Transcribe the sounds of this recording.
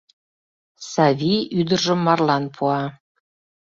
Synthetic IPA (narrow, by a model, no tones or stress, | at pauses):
sɑvʲiyd̪ə̆rʒə̆mːɑrlˠɑnpʰuɑ